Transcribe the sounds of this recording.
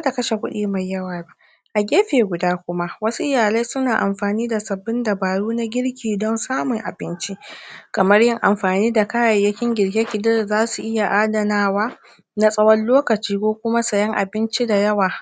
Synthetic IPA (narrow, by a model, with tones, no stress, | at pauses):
a˦da˨kɐ˦ʃe˨kʷʊ˦ɗiː˨ma˨jːɐ˦waː˨ba˦˨ʔ | ʔa˨ɡʲeː˦ɸeː˨ɡʷʊ˨daː˦kʷʊ˦ma˦ʔwɐ˦su˦ʔɪ˦jaː˨la˦jsʊ˦naː˨ʔa˨mɸaː˨niː˦da˨sɐ˨bːɪ˦nda˨baː˨ɽuː˦na˦ɡʲɪ˦ɽkʲiː˨dɔ˦nsaː˦mʊ˨ŋʔa̰˨bɪ˦nt͡ʃi˦kɐ˨mɐ˦rjɪ˦ŋʔa˨mɸaː˨niː˦da˨kaː˦jɐ˨jːɐ˦kʲɪ˦ŋɡʲɪ˨ɽɡʲe˦kʲɪ˨dɪ˦rzaː˦su˨ʔɪ˦ja˨ʔaː˦dɐ˨naː˦waː˦ | na˦sʼɐ˦wɐ˦nloː˦kɐ˨t͡ʃiː˦kʷoː˦kʷʊ˦ma˦sɐ˨jɐ˦ŋʔa̰˨bɪ˦nt͡ʃi˦da˨jɐ˦waː˨